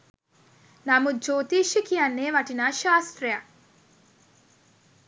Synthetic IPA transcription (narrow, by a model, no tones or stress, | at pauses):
namud͡ʒoːt̪iːʃikijɐnːeːʋɐʈinaːʃaːst̪ɾɐja